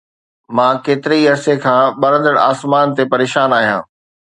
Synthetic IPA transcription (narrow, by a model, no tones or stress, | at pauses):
mãːkeːt̪ɪɾeiɐɾsekʰãːɓɐɾə̃nd̪əɽaːsmaːnt̪epɐɾeːʃaːnaːɦijã̰ː